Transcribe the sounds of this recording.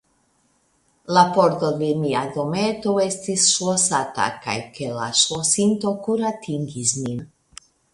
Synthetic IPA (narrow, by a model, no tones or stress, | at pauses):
lapoɾt̪od̪emiad̪o̞met̪oe̞st̪isʃwosat̪a̰ka̰jkela̰ʃosint̪o̞kuɾat̪ʰiŋɡismin